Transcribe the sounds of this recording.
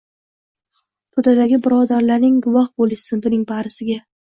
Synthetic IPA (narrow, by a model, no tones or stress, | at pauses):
p̪ʰʊd̪ad̪aɡʲɪbɪɾɒd̪aɾlaɾnɪŋɡʊvɒhbolɪʃsɪnbʊnɪŋbaɾɪsɪɡʲa